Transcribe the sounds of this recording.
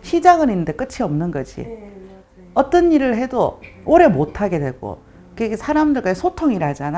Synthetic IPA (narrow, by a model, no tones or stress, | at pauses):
ɕʰid͡ʑaɡɯninːɯnde̞k͈ɯt͡ɕʰiʌmnɯnɡʌd͡ʑʰḭ | ʌt͈ʌnːiɾɯɭɦe̞dooɾe̞motʰaɡe̞dwe̞ɡo̰ | kesʰaɾamdɯɭk͈aisʰotʰoŋiɾaad͡ʑana